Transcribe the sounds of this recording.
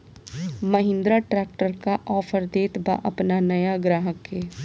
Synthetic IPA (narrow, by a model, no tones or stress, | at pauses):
mɐɦɪ̃nd̪ɾaʈɾɛːk̚ʈəɾkaʔɔːfəɾd̪eːt̪ba̰ʔɐpnanɐjaɡɾaːɦəkɦeː